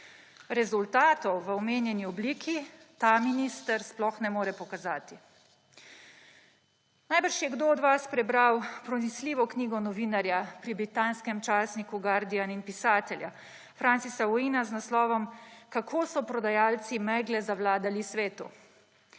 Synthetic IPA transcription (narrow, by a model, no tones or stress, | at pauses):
ɾɛzult̪aːt̪ɔwʋəɔmeːnjɛniɔbliːkʰit̪aminist̪əɾsplɔxnɛmoːɾɛpɔkazaːt̪i | najbəɾʃjɛɡd̪oɔd̪ʋaspɾɛbɾawpɾɔnisliːʋɔkniːɡɔnɔʋiːnaɾjapɾibɾit̪aːnskɛmt͡ʃaːsnikuɡaɾd̪ijaninpisaːt̪ɛlja̰ | fɾansisaɔiːnaznaslɔːʋɔmkakʰoːsɔpɾɔd̪ajaːlt̪simɛɡlɛzawlaːd̪alisʋeːt̪ṵ